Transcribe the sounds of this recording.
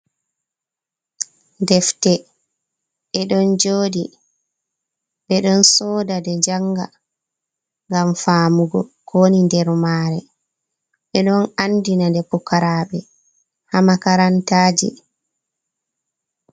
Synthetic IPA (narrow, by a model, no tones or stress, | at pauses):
ndɛftɛ | ɓɛɗɔnd͡ʒoːdḭ | ɓɛɗɔnsɔːdadɛd͡ʒaŋɡa̰ | ŋɡamfaːmuɡɔ̰kʰoːnindɛɾmaːɾɛ | ɓɛɗɔnandinandɛpɔkaɾaːɓɛ | hamakaɾantaːd͡ʒḭ